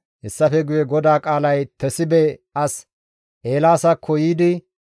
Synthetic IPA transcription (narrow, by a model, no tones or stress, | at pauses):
hɛsːɐfɛɡʊjɛɡɔd̪aːkʼaːlɐjt̪ʰɛsɪbɛɐs | ʔe̞ːlaːsɐkʰːɔjiːd̪ɪ